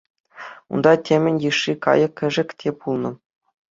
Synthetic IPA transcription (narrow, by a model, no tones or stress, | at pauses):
ṵnd̪ɑtʲʰemʲɘ̆nʲjɯʂːikɑ̰jɤ̆kʲːɘ̆ʐɘ̆ktʲʰepulˠnɤ̆